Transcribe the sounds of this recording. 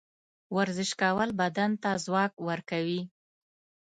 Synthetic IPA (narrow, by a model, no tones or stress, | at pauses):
waɾzɪʃkawəlbad̪ant̪azwɑkwəɾkawi